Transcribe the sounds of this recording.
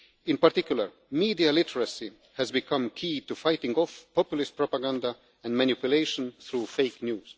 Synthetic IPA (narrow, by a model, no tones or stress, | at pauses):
ɪ̃npaɾt̪ikjuləɹ | miːd̪ialɪtʰəɹasi | hɛzbikʰʌ̃mkʰiːt̪ufajtɪ̃ŋɡɔfpʰɔpjlɪst̚pɹɔpaɡãnd̪a | ɛ̃nmãnupjuleɪʃɔ̃nθɾufeɪknjuːz̥